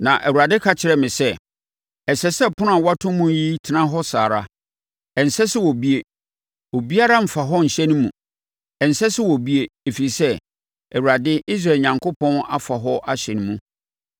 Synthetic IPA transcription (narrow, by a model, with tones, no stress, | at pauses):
nã˨ʔɛ˨wu˨ɾa˨dɪ˦kʰa˨t͡ɕʰɪ˨ɾɛ˨mɪ̃˨sɛ˦ | ɛ˨sɛ˦sɛ˦pʰʊ̃˦nʊ̃˦a˨wa˦tʰʊ̃˦mũ˦ji˦tʰɪ˨nã˦ɦɔ˦saː˨ɾa˦ | ɛ˨n̩˨sɛ˦sɪ˦wɔ˨bi˦e˨ | wɔ˨bi˦a˦ɾa˦m̩˨fa˨ɦɔ˦ɲ̩˨ɕɛ̃˦ñ˦mṵ̃˨ | ɛ˨n̩˨sɛ˦sɪ˦wɔ˨bi˦e˨e˨fi˨ɾi˨sɛ˦ | ɛ˨wu˨a˨dɪ˦ʔi˦s̬ɾa˦˨e˨ɲã˨ŋkʰo˦pʰɔ̃˦na̰˨fa˨ɦɔ˦ʔa˨ɕɛ˨nũ˦mũ˦